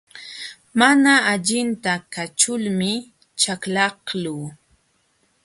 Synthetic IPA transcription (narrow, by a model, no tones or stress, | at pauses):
manaːʎɪnt̪akat͡ʃʊlmɪ | t͡ʃaklɑhluː